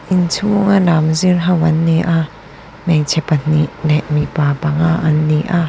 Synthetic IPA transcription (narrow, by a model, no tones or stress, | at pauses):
ʔint͡sʰuŋalamzirɦɐwʔɐnːiʔa | mɛjt͡sʰɛpan̥iʔlɛʔmipaːpaŋaʔɐnːiʔa